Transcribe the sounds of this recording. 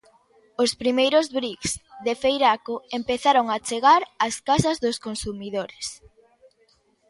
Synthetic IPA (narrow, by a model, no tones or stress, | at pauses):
ospɾimejɾozβɾiksðefejɾakoempeθaɾoŋat͡ʃeɣaɾɐskasɐzðoskonsumiðoɾes